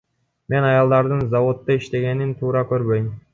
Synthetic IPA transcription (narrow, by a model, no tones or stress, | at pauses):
me̞nɑjɑlˠd̪ɑɾd̪ɯnzɑvo̞t̪ːɯiʃt̪e̞ɡe̞nint̪ʰuːɾɑkø̞ɾbø̞jm